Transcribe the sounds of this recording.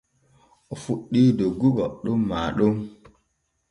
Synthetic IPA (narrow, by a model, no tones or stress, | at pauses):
ʔɔfuɗːiːdoɡːuɡɔɗumːaːɗum